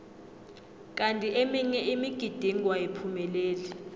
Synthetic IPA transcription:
k̬ʼantʼiʔemiɲɛimiɡ̥ʱid̥ʱiŋʱwaepʰumɛleːlɛ

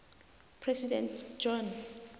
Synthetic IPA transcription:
pʰrɛsidɛ̰̃ntd͡ʒɔn

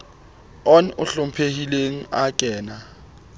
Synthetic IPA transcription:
ɔnʊɬʊm̩pʰehileŋ̩akʼɛːna

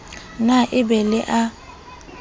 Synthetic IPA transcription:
naʔɪbɛlɪʔa

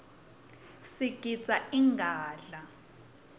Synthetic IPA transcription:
siɡ̥ʱit͡sʼaiŋɡʱaːɮa

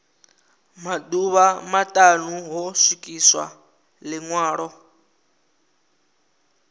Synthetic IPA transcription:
maduβamatʼanuɦɔsikʼiswa̰ | lɪŋwaːɺɔ

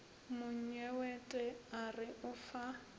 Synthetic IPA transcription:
mʊɲ̩ɲɛwɛtʼɛarɪʔʊfa

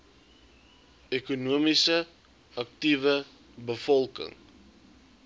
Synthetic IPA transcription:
ekunuəmisə | ɐk̚tivə | bəfɔlˠkə̰ŋ

